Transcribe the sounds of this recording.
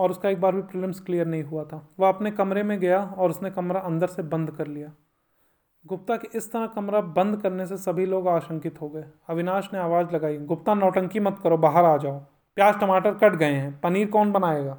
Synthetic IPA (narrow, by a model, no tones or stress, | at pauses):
ɔːɾʊskaeːk̚baːɾbʱipɾɪːlə̃msklijəɾnɐɦĩɦuat̪ʰaːʋɐɦɐpnekɐmɾemẽɡɐjaɔːɾʊsnekɐmɾaʔɐ̃nd̪əɾsebɐ̃nd̪kɐɾlijaː | ɡʊp̚t̪akiʔɪst̪ɐɾəɦkɐmɾabɐ̃nd̪kɐɾnesesɐbʱiloːɡaːʃə̃ŋkɪt̪ɦoɡɐeːɐʋɪnaːʃneaːʋaːd͡ʒlɐɡaːiɡʊpt̪anɔːʈə̃ŋkimɐt̪kɐɾobaːɦəɾaːd͡ʒaːo | pjaːd͡ʒʈɐmaːʈəɾkɐʈʰɡɐeɦɛ̃pɐniːɾkɔːnbɐnaːeːɡaː